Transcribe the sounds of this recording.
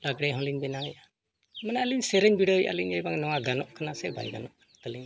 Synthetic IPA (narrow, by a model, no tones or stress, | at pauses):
laɡɽɛɦɔ̃liɲbɛnaŋja | mənaəliɲsɛɾɛɲbiɽəjʔa̰liɲɛjbaŋnɔwaɡanɔʔkanasɛba̰jɡa̰nɔʔkanat̪əliɲ